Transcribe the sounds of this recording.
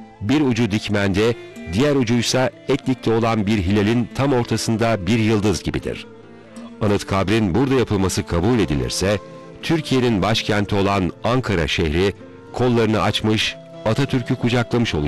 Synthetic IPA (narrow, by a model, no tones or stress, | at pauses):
biɾud͡ʒud̪icmænd̪ɛd̪ijæɾud͡ʒujsaɛclʲic̚lʲɛo̞lˠanbiɾɦilʲelʲint̪ʰamo̞ɾt̪ʰasɯnd̪abiɾjɯlˠd̪ɯzɟibḭd̪ḭɾ̥ | anɯt̪kʰabɾinbuɾd̪ajapʰɯlˠmasɯkʰabuːlʲe̞d̪ilʲḭɾsɛ | t̪ʰyɾcʰije̞ninbaʃcʰænt̪ʰio̞lˠanaŋkʰaɾa̰ʃehɾi | kʰo̞lˠːaɾɯnɯat͡ʃmɯʃ | at̪ʰat̪ʰyɾcʰykʰud͡ʒaklˠamɯʃo̞lˠu